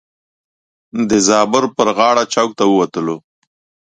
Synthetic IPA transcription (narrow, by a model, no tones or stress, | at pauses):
d̪əzɑbəɾpəɾɣɑɽat͡ʃawk̚t̪awəwat̪əlo